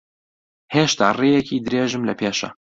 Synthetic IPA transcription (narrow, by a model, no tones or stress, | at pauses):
heːʃt̪ʰa̰ːrejɛkʰiːd̪ɨɾeːʒɨmlɐpʰeːʃɐ̰